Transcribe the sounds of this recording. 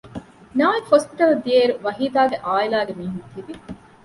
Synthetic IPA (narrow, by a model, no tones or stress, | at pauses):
naːekhospiʈɐld̪ieːɾuʋɐɦiːd̪aːɡeʔaːilaːɡemiːɦunt̪ibi